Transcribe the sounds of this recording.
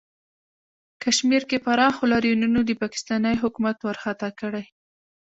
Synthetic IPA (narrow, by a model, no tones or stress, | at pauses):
kaʃmiɾkepaɾɑxolɑɾjununod̪əpɑkɪ̥st̪ɑnəjɦʊkumat̪waɾxat̪ɑkəɽaj